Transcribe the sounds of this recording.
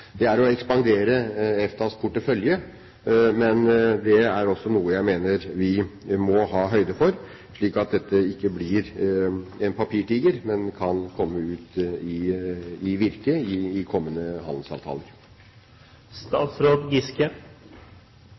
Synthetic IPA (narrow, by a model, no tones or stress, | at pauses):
d̪̥ɛæɾɔɛkspɑŋd̪eːɾəɛft̪ʰɑspʰʊʈːəfœljə | mɛnd̪ɛæɾɔsːɔnuːəjæɪmeːnəɾʋɪmɔhɑːɦœʏd̪əfɔɾ | ʂɭiːkɑt̪̚d̪ɛt̪ːəɪkːəblɪɾ | ɛnpʰɑpʰiːʈiːɡəɾmɛnkʰɑnkʰɔmːəʉːt̪ɪɪʋɪɾkəɪːkʰɔmːənəɦɑ̰nd̪l̩sɑ̰ːʋt̪ʰɑ̰ːləɾ | st̪ɑːt̪sɾoːd̪ɡɪskə